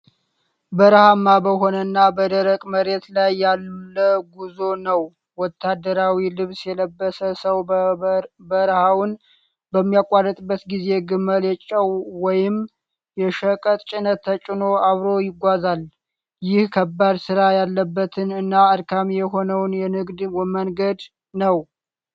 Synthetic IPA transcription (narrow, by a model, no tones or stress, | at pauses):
bəɾəhamːabəɦo̞nənːabəd̪əɾəkʼməɾet̪lajːalmləɡuzonəw | wɔt̪ʰːad̪əɾawilɨβsjɛləbːəsəsəw | bəɾəhawn | bəmːijakʼːarət̪ʼbːət̪ɡize̞ɡɨmːəljɛt͡ʃʼːəwwɔjɪm | jɛʃəkʼət̪ʼt͡ʃʼɪnət̪ʰːət͡ʃʼɪno̞aβɾo̞jɪɡʷazal | jɪhkʰəbːad̪sɨɾajalːəbːət̪ʰɨnɨnːaɨɾkʰamjɛɦo̞nəwnjɛnɨɡd̪wɛmənɡəd̪ | nəw